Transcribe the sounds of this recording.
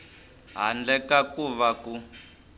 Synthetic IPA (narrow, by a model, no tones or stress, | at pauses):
ɦa̰nd͡ɮɛkakuβaku